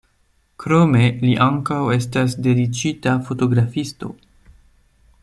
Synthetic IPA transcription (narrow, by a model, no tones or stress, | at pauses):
kɾo̞me̞liʔaŋkawe̞stasde̞dit͡ʃitafo̞to̞ɡɾafisto̞̰